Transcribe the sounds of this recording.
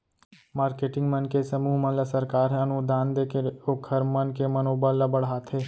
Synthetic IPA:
maːɾkeːʈɪ̃ŋɡmənkesəmuːɦmənlasəɾkaːɾɦɐnud̪ʱaːnd̪eːkeɾokʰəɾmənkemənoːbəlːabəɽɦaːt̪ɦeː

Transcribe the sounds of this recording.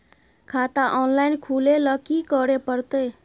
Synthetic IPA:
kʰat̪aʔɔnlajnkʰuleləkikəɾepəɾt̪ə

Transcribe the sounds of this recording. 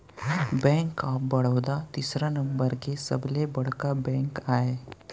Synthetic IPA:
bɛ̃ŋkaːbəɽ̤əwd̪at̪isɾanəmbəɾkesə̰blebəɽ̤kabɛ̃ŋkaːɦe

